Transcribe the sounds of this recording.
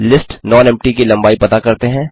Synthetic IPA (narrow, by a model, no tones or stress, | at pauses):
lɪsʈnɔːnɛ̃ːmpʈikilɐ̃mbaːipɐt̪akɐɾt̪eɦɛ̃ː